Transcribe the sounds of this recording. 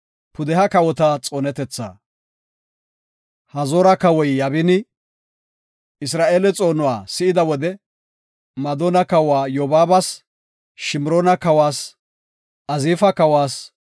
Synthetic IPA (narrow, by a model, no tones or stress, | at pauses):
pʊd̪ɛhɐkɐwɔt̪ɐt͡sʼoːnɛt̪ɛt͡sːa̰ː | hɐzoːɾɐkɐwɔjjɐβɪnɪ | ɪs̬ɾaːʔeːlɛt͡sʼo̞ːnʊwa̰ːsɪʔɪd̪ɐwɔd̪ɛ | mɐd̪oːnɐkɐwaːjoːbaːbɐs | ʃɪmɾoːnɐkɐwaːs | ʔɐziːfɐkɐwaːs